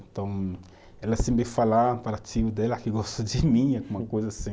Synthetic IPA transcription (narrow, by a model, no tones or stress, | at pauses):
ẽnt̪ɐ̃w̃ | ɛlɐsẽmbefalapaɾat͡ʃivʊd̪ɛlɐkɪɡɔst̪ɐd͡ʒɪmĩaɡũmɐkojzɐasĩ